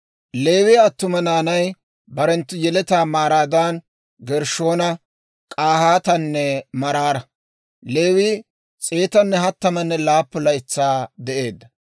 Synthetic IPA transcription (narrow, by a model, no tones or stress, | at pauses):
le̞ːwiɐt̪ːʊmɐnaːnɐj | bɐɾɛnt̪ːʊjɛlɛt̪aːmaːɾaːd̪an | ɡɛɾʃo̞ːnɐ | kʼaːhaːt̪ɐnːɛmɐɾaːɾɐ | le̞ːwiː | t͡sʼeːt̪ɐnːɛhɐt̪ːɐmɐnːɛlaːpːʊlɐjɪt͡sːaːd̪ɛʔe̞ːd̪ːɐ